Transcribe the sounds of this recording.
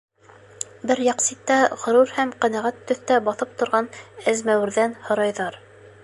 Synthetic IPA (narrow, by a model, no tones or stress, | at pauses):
bɘɾjɑqsit̪ːæʁŏɾuɾhæmqænæʁæt̪ːɵ̆θt̪æbɑθɤp̚t̪ŏɾʁɑnɘzmæwɘ̆ɾðænhŏɾɑjðɑɾ